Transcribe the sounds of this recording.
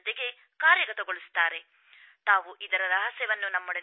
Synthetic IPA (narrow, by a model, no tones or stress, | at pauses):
d̪eɡe̞ | kaːɾjɐɡɐt̪ɐɡoɭust̪ːaːɾe̞ | t̪aːʋuʔid̪ɐɾɐɾɐɦɐsɛʋɐnːunɐmːoɽɐ